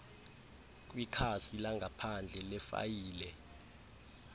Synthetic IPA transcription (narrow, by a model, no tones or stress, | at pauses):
k̬ʼwikʰasilaŋɡʱapʰand͡ɮʱɛlɛfa̰jiːlɛ